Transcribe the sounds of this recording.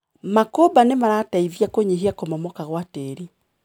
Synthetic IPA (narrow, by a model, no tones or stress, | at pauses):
makobanemaɾaːtaiðiakoɲiɦiakomɔmɔkaɣwateːɾi